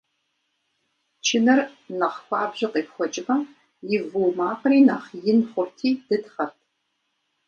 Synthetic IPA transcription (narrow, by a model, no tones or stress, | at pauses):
t͡ʃʰɪnɐrnɐχxʷɑːbʑɪqiːpxʷɔt͡ʃʼɪmɐm | jɪvɨwmaːqɾiːnɐχjɪnχʷʊrtʰiːd̥ɨtχɐt̚ʰ